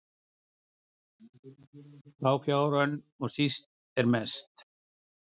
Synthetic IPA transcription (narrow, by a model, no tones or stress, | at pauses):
θʰaːwkjaːwɾan | ɔɣsist̪̚ | ɛɾmɛst̪